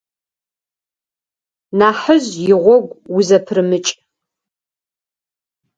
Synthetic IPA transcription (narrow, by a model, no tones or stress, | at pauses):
naːħəzjɪʁʷɔɡʷʊzɐpʰrɨmɨt͡ʃʼ